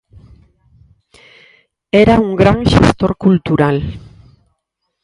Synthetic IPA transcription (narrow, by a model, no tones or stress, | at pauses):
eɾauŋɡɾanʃḛst̪o̞ɾkult̪uɾal